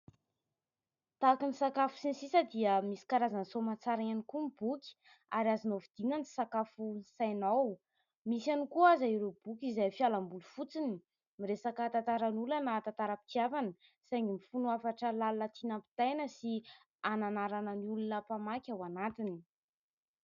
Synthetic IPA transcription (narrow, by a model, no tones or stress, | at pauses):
t̪akinisakafu̥sinsisəd̪iəmisi̥kaɾazansomat͡saɾaanikumibukʲi̥ | aɾiazinovid̪̥iŋəni̥sakafunsajnaw | misanikuazaiɾob̥ukizajfialambulufut͡sini | miɾesakat̪at̪aɾanulanət̪ant̪aɾəpi̥t̪iavani | sajŋimifunuafaʈ͡ʂəlalnət̪ʰinampi̥t̪ajnəsi | ananaɾanəniulunəpamakʲawanat̪ini̥